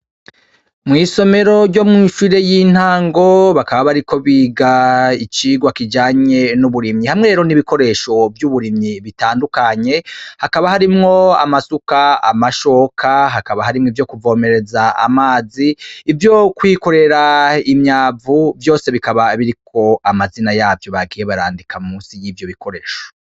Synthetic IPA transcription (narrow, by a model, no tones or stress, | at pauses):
mŋiːso̞me̞ɾo̞ɟɟo̞mŋiʃuɾe̞jiːn̥haːŋɡo̞βakaβaβaɾiko̞βiːɡait͡ʃiɡwakid͡ʒaːɲe̞nuβuɾimɲihamŋe̞ɾeːɾo̞niβiko̞ɾe̞ʃo̞vjuβuɾimɲiβitaːndukaɲe̞hakaβahaɾimŋo̞a̰masukaa̰maʃo̞kʰaɦakaβahaɾimŋivjo̞kuvo̞ːme̞ɾe̞zaa̰maːziːvjo̞kwiːko̞ɾe̞ɾaimɲaːvuvjo̞ːse̞βikaβaβiɾikʰo̞amazinajaːvjo̞βaɡije̞βaɾaːndikʰamumuːnsijiːvjo̞βikʰo̞ɾe̞ːʃo̥